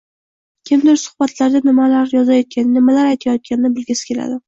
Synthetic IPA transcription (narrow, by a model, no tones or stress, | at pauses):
kʲʰɪmd̪ɪɾsʊ̥hbat̪ʰlaɾd̪anɪmalaɾjɒzajɒt̪̚kʲʰannɪmalaɾajt̪ʰajɒt̪̚kʲʰanɪnɪbɪlɡʲɪsɪ̥kʲʰe̞la̰d̪ɪ